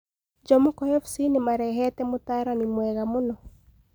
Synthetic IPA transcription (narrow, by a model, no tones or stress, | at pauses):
d͡ʒɔmɔkɔjɔfsinɪmaɾɛɦɛtɛmʊtaɾanimwɛɣamʊnɔ